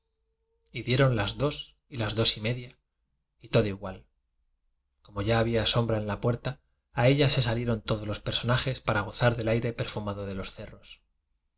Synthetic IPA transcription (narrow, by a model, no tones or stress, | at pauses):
iðje̞ɾo̞nlazðo̞s | ilazðo̞sime̞ðja | it̪o̞ðoiɣwal | ko̞mo̞ʝaːβ̞iaso̞mbɾae̞nlapwe̞ɾt̪aː | e̞ʎase̞salje̞ɾo̞nt̪oðo̞zlo̞spe̞ɾso̞naχe̞spaɾaɣ̞o̞θaɾðe̞lajɾe̞pe̞ɾfumaðo̞ðe̞lo̞sθe̞ro̞s